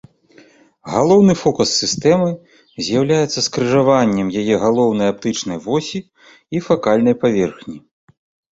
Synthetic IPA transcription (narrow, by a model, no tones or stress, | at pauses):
ɣalˠɔwnɨfɔkusːɨst̪ɛmɨ | zʲjawlʲajɛt̪sːɐskɾɨʐavanʲːɛmjajɛɣalˠɔwn̪ɐjap̚t̪ɨt͡ʂnɐjvɔsʲiː | fakalʲnɐjpavʲɛrxnʲi